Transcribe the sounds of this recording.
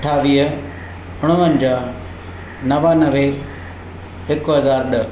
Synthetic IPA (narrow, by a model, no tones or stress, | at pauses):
ʈʰaːʋiːɦə | ʊɽ̃ʊʋənɪ̆d͡ʑaː | nɐʋanɐʋe | ɦɪkʊɦɐzaːɾɗə